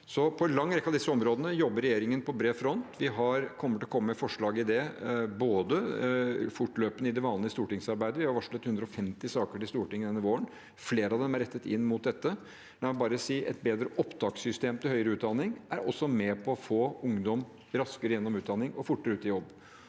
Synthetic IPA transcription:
sɔpʰɔnlɑŋːɾɛkːɑd̪ɪsːəɔmɾoːd̪ənəjɔbːəɾɛjeːɾɪŋənpʰɔbɾeːfɾɔnt̪ʋɪɦɑɾkʰɔmːəʈ̪lɔkʰɔmːəmɛfɔʂɭɑːɡəɪd̪ɛboːd̪ə | fʊʈløːpənəɪd̪ɛʋɑːnəɪst̪uːʈɪŋsɑɾbæɪd̪əʋɪhɑɾʋɑʂlɛt̪hʉnd̪ɾɔɔfɛmt̪ɪsɑːkəʈɪst̪uːʈɪŋːəd̪ɛnːəʋoːəɳ | fleːɾəɑʋd̪ɛmæɾɛt̪ːət̪ɪ̰nːmʊt̪̚d̪ɛt̪ːə | d̪æɛbɑːɾəsiːʔɛ̰t̪̚beːd̪ɾəʔɔpd̪ɑːksʏst̪eːmt̪ʰɪlhœʏəɾəʉːt̪̚d̪ɑnɪŋʔæɾɔ̰sːɔmɛpʰɔfoːʊŋd̪ɔm | ɾɑskəɾəjɛnːɔmʉːd̪ɑnɪŋɔfʊʈːəɾəʉːt̪ɪjɔbː

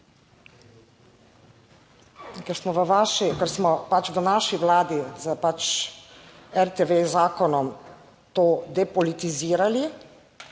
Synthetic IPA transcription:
kɛɾsmɔʋəʋaːʃikəɾsmɔpat͡ʃʋənaːʃiʋlaːd̪izəpat͡ʃ | ɛɾt̪eʋezaːkɔnɔm | t̪oːd̪ɛpɔlit̪iziːɾali

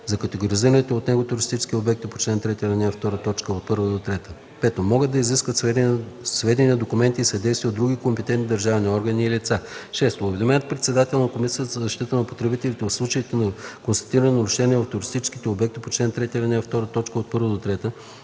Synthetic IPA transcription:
zɐkət̪ɛɡoɾiziɾənit̪oot̪nɛɡot̪ʊɾist̪it͡ʃɛ̥skʲiobɛk̚t̪ipo̥t͡ʃnɛnt̪ɾɛt̪ʲiəɾɐnʲɛft̪ɔɾət̪ɔt͡ʃkəot̪̚pɤɾvəd̪ot̪ɾɛt̪ə | pɛt̪omɔɡəd̪ːɐiziskvət̪s | svɛd̪ʲɛnʲiɛd̪okumɛnt̪iːsɛd̪ɛjsviəd̪ɾuɡʲikompɛt̪ɛnt̪nid̪ɐɾʒavniɔɾɡəniːlit̪saʃɛst̪oʊvɛd̪omɛnət̪̚pɾɛt̪sɛd̪at̪ɛlˠnɐkomisiət̪əzɐzɐʃt̪it̪ənɐpot̪ɾɛbit̪ɛlit̪ɛɐfslˠut͡ʃəit̪ɛnɐkonst̪ɐ̥t̪iɾənɛnɐɾʊʃɛniɛvɐft̪ʊɾist̪it͡ʃɛ̥ski̥t̪ɛobɛk̚t̪ipot͡ʃlɛnt̪ɾɛt̪iəɾɐnɛft̪ɔɾət̪ɔt͡ʃkəot̪̚pɤɾvəd̪ot̪ɾɛt̪ə

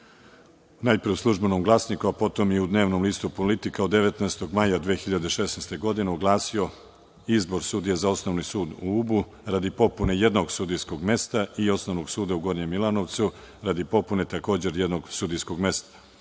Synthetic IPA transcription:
unajpɾiuslˠuʒbenomɡlˠaːsnikuapo̞t̪o̞mjeud̪ne̞ːʋnomliːst̪upolit̪ikaod̪ːeʋet̪naest̪o̞ɡmajad̪ʋeexiʎad̪eʃe̞snest̪e̞ɡo̞d̪ineuɡlˠaːsio̞ | izbo̞ɾsud̪ijezao̞snoʋnisuːd̪uubu | ɾad̪ipo̞pune̞je̞d̪no̞ɡsud̪ijsko̞ɡme̞st̪aio̞sno̞ʋnoɡsuːd̪auɡo̞ɾɲemilano̞ʋt̪su | ɾad̪ipo̞pune̞t̪ako̞ːd͡ʑe̞ɾjed̪no̞ɡsud̪ijsko̞ɡme̞st̪ḁ

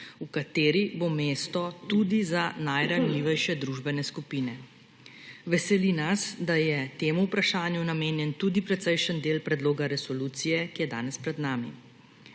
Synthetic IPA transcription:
ukat̪eːɾibomeːst̪ɔt̪uːd̪izanajɾanliːʋɛjʃɛd̪ɾuʒbɛnɛskupiːnɛ | ʋɛsɛlinasd̪ajɛt̪eːmuːpɾaʃaːnjunameːnjɛnt̪uːd̪ipɾɛt̪səjʃənd̪eːlpɾɛd̪loːɡaɾɛsɔluːt̪sijɛkijɛd̪a̰ːnɛspɾɛd̪naːmḭ

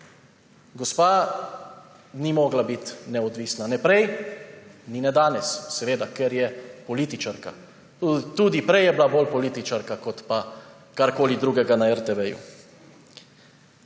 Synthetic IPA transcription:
ɡɔspaː | nimoːɡlabit̪nɛɔd̪ʋiːsnanɛpɾɛj | ninɛd̪aːnɛssɛʋeːd̪akɛɾjɛpɔliːt̪it͡ʃaɾka̰ | t̪uːd̪ipɾɛjɛbilaboːlpɔliːt̪it͡ʃaɾkakɔt̪pa | kaɾkoːlid̪ɾuːɡɛɡanaɛɾt̪ɛʋɛjṵ

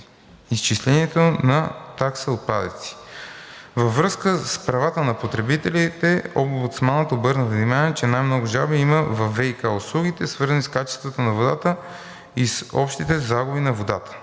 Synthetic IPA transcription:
ist͡ʃislɛniɛt̪onɐt̪aksəot̪̚pa̰d̪ə̰t̪si̥ | vɐvɾɤskəspɾɐvat̪ənɐpot̪ɾɛbit̪ɛlit̪ɛombʊt̪smanət̪obɤɾnəvd̪imanɛt͡ʃɛnajmnɔɡʊʒalˠbɛiməvɐfɛikaʊslˠuɡit̪ɛsvɤɾzəniskat͡ʃɛ̥st̪vət̪onɐvod̪at̪ə | isɔ̰pʃt̪it̪ɛzaɡʊbinɐvod̪a̰t̪ə̥

